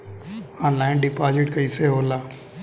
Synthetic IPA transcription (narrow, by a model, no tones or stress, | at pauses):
ãːnlaːɪ̃nɖɪpaːzɪʈkəiːseːɦoːlaː